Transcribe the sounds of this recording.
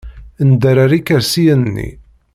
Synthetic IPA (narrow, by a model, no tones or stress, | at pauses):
ənd̪əɾaɾikəɾsijənːḭ